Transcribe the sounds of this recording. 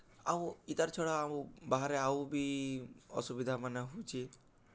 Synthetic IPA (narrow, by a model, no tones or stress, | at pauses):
awit̪aɾt͡ʃʰɔɽaːmũbaɦaɾeawbi | ɔ̰subid̪ʱamaneɦut͡ʃʰi